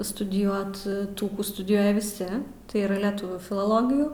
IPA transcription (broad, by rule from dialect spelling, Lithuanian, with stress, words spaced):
stʊdʲɪˈjuɔt ˈtuː ˈkuː stʊdʲɪˈjuɔjɛ ʋʲɪˈsʲɪ tɐɪ ˈiːrɐ lʲɛˈtʊʋʲuː fʲɪlˠoːˈlˠoːɡʲɪjuː